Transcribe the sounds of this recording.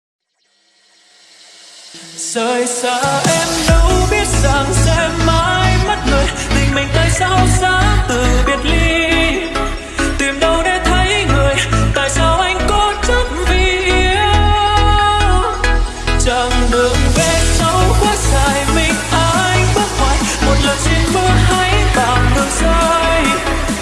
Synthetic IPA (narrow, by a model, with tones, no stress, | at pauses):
z̥əː˨˩jsaː˧˩ʔɛ˧mɗə˨˦wɓi˦˥ət̚zaː˨˩ŋsɛ˧˥mːaː˧˦jmə˦˥t̚ŋɨ˨˩əjt̪ʰï˨˩ŋ̟mï˨˩ŋ̟t̪a̰ː˧˨jsa˧wsaː˧˥t̪ɨ˨˩vi˨˩ət̚li˧ | t̪i˨˩əmɗə˧wɗe˧˦t̪ʰə˨˦jŋɨ˨˩əjt̪a̰ː˧˨jsaː˧wʔa˧jŋ̟kɔ˨˧˦t͡ɕə˦˥k̚vi˧˩˧ə | t͡ɕə˧˩ŋɗɨ˨˩əŋve˨˩t͡ɕa˧˦wkwa˧˥k̚zaː˧˨jmï˨˩ŋ̟ʔaː˧jfə˦˥t̚ŋwaː˧˨jmo˨˩t̚lə˨˩jt͡ɕi˧nɓɨ˧˥əɦa˧˦jk̪ɔ˨˩nɗɨ˨˩ək̚za˧j